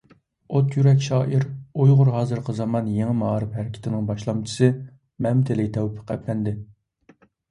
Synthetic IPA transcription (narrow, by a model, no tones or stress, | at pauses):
ot̪jyɾɛkʲʃɑːʔiɾujʁʊɾɦɑːzɨɾqʰəzɑmɑnjeŋɪmɑɾɨpɦæɾɪkʲʰɪ̥t̪ʰɪnɪŋbɑʃlˠɑmt͡ʃʰi̥sɨ | mɛmt̪ʰɪlɪkʲt̪ʰɛwpʰə̥qæ̰pʰːɛnd̪ɪ